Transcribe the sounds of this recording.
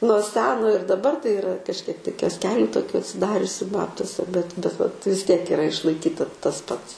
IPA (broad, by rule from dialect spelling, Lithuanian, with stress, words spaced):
nuɔ ˈsʲæːnoː ɪr dɐˈbɐr tɐɪ ɪˈrɐ kɐʃʲˈkʲiɛk tɐɪ kʲoːsʲˈkʲæːlʲʊ toːˈkʲʊ ɐtʲsʲɪˈdɑːrʲʊsʲʊ ˈbɑːptuɔsʲɛ bʲɛt bʲɛt ʋɐt ʋʲɪs ˈtʲiɛk ɪˈrɐ ɪʃlˠɐɪˈkʲiːtɐ tɐs ˈpɐts